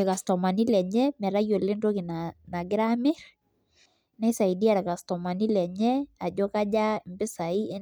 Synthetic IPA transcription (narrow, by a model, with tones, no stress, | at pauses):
ɛ˨ka˨stɔ˨ma˨ni˦lɛ˨ɲɛ˦mɛ˨ɾa˦jo˨le˦nɾo˦ɡi˨nana˨ɡɪ˦ɾamɪ˦ɾ | nɛ˦sa˨i˨di˦a˦ɾɛ˨ka˨stɔ˨ma˨ni˦lɛ˨ɲɛ˦a˨d͡ʒɔ˦ka˦d͡ʒa˦˨mbɪ˦sa˨i˦e˦